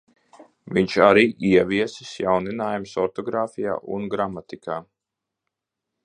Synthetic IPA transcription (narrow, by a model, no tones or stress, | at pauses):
viɲʃaɾiːʔiɛʋiɛsisjawninaːjumsɔɾt̪ɔɡɾaːfija̰ːʔṵnɡɾamat̪ikʰaː